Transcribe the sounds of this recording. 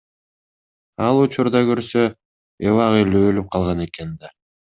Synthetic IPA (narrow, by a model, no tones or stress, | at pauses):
ɑlˠut͡ʃuɾd̪ɑkøɾsø | evɑʁeløølyp̚qʰɑlˠʁɑne̞ke̞nd̪ɑ